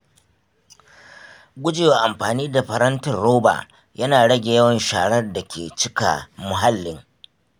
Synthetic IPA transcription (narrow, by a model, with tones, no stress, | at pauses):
ɡʷʊ˦d͡ʒeː˨waː˨ʔa˨mɸaː˨niː˦da˨ɸɐ˨ɾɐ˦ntʊ˨nɽoː˦ba̰ː˨ | jɐ˦naː˨ɽɐ˦ɡʲe˨jɐ˦wɐ˨nʃaː˨ɽɐ˦rda˨kʲʰḛː˨t͡ʃɪ˦ka̰˨mʊ˨ɦa˦lːɪ˨˦ŋ